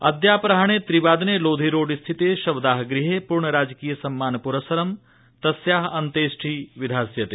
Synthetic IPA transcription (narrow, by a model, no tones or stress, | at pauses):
ɐd̪jaːpɾɐɦaɽ̃et̪ɾiʋaːd̪neloːd̪ʱiɾoːɖist̪ʰit̪eʃɐʋd̪aːɦɡɾiɦepuɾɳəɾaːd͡ʒkiːjəsɐmːaːnpuɾəsəɾəm | t̪ɐsjaːɦɐnt̪eːsʈʰiːʋɪd̪ʱaːsjɐt̪e